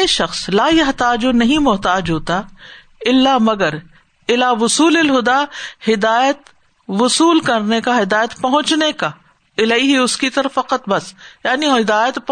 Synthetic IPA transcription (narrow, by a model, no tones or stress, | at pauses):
eʃɐxslaːjɐɦt̪aːd͡ʒonɐɦĩmʊɦt̪aːd͡ʒɦoːt̪a | ɪlːamɐɡəɾ | ɪlaːʋʊsuːlɪlɦʊd̪ahɪd̪aːjət̪ | ʋʊsuːlkɐɾnekaɦɪd̪aːjət̪pɐɦʊ̃t͡ʃneka | ɪlaiɦiʊskit̪ɐɾəfːɐqət̪bɐsjaːniɪd̪aːjət̪